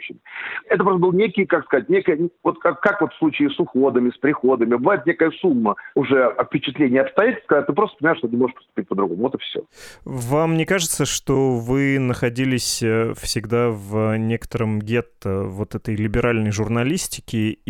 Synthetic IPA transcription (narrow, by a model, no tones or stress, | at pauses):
ɕɪmɛt̪əpɾost̪əbɨlˠnʲekʲɪjkakskɐzat̚ʲnʲekəjəvot̪akkakvot̪fslˠut͡ɕɪːsʊxo̞d̪əmʲɪspɾʲɪxo̞d̪əmʲɪbɨvajɪt̪nʲekəjəsumːəʊʐɛɐfpʲɪt͡ɕɪt̪lʲenʲɪjəɐpst̪ɐjætʲlʲsʲt̪kɐzat̚ʲt̪ɨpɾost̪əpənʲɪmajʂt̪oɪmoʐəʂpə̥st̪ʊ̥pʲitʲpəd̪ɾʊɡomʊvot̪ɨfsʲo̰vamːnʲekaʐɨt̪səʂt̪ovɨnəxɐdʲilʲɪsʲfsʲɪɡd̪avənʲe̞kə̥t̪əɾəmɡʲet̪ːəvo̞t̪ɛt̪əjlʲɪbʲɪɾalʲnəjʐʊrnɐlʲisʲtʲɪ̥kʲɪ